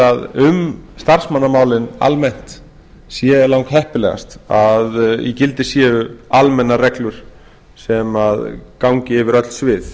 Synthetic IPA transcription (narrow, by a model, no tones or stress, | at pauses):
aðʏmst̪ar̥smanːamaːwlɪna̰lmɛn̥t̪ | sjɛlawŋkhɦɛhpɪlɛ̰ɣa̰st̪aðjɛcɪlt̪ɪsjɛːʏalmɛnːarɛklʏɾ̥ | sɛmaðkawɲcɪɪvɪɾœt̪l̥svɪːθ